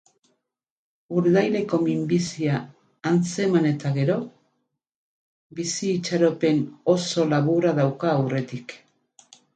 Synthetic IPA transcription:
uɾðajle̞ko̞mimbisiaː | nt͡se̞mane̞t̪aɣe̞ɾo̞ | bisiːt͡ʃaɾo̞pe̞no̞so̞laβuɾaðawkaːwre̞t̪ik

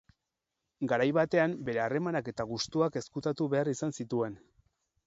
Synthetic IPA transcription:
ɡaɾajβat̪e̞ambe̞ɾe̞are̞manake̞t̪aɣust̪uake̞skut̪at̪uβe̞arisansit̪ue̞n

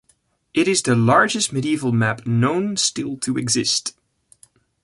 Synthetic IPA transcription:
ʔɨɾɪzðɨlɑɹd͡ʒɨst̚mɨɾiivl̩ˠmæpnõʊ̃nstɪlˠtʰɨɨɡzɪst

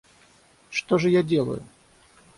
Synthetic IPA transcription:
ʂt̪oʐɨjadʲelˠə̰jʊ̰

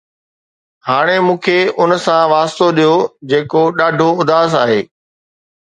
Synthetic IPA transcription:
haːɽ̃emũːkʰeʊnsãʋaːst̪oɗijod͡ʑeːkoɗaːɖʱoʊd̪ʱaːsaːɦeː

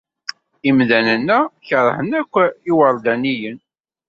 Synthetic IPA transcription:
imðænənːæçəɾˤhənækʷːiwəɾˤd̪ænijən

